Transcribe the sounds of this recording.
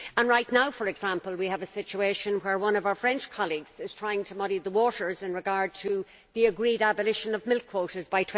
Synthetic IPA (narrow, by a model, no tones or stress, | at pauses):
ə̃nɹaɪtⁿnaʊfə˞ɛɡz̥ãmpəlˠwiəvəsɪt͡ʃueɪʃə̃nwə˞wʌ̃nʌvaʊə˞fɹɛ̃nt͡ʃkʰɑlˠiɡz̥ɪz̥tʰɹ̥aɪɪ̃ŋtʰəmʌɾiðəwɔɾə˞zɪ̃nɹɨɡaɹd̚tʰə | ðiəɡɹiɾabəlɪʃə̃nʌvmɪlˠkʰw̥oʊɾə˞zbaɪtʰw̥